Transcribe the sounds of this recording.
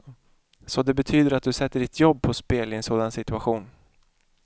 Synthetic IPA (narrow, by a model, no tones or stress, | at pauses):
sɔd̪ɛbɛt̪ʰyːd̪əɾat̪̚d̪ɵsɛt̪ːəɖɪt̪ʰjɔbːpʰɔspeːlɪɛnsoːd̪ansɪt̪ɵaɧuːn